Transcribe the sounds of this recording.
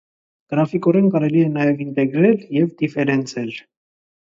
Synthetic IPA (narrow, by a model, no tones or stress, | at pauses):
ɡ̥əɾɑfikɔɾɛnkɑɾɛliɛnɑjɛvint̪ɛɡɾɛljɛvd̪ifɛɾɛnt͡sʰɛl